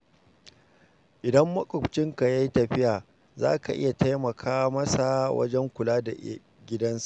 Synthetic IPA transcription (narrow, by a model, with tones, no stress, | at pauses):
ʔɪ˨dɐ˦mːɐ˦kʼʊ˨kt͡ʃɪ˦ŋka˨ja˦jtɐ˨ɸɪ˦jaː˨ | za̰ː˦ka˨ʔɪ̰˦ja˨ta˦jmɐ˨kʰaː˦mɐ˦sa˨wɐ̰˦d͡ʒɛ˦ŋkʷʊ˨laː˦da˨ | ɡʲɪ˦dɐ˦nsa˦˨ʔ